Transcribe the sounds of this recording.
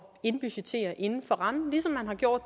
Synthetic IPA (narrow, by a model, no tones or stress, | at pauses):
e̝nb̥yɕe̥t͡sʰe̝̰ːɐʔe̝nn̩fɒ̽ʁɑ̈mn̩lisɒ̽mːænɦɑ̈ɡ̥jo̝ɐ̰d̥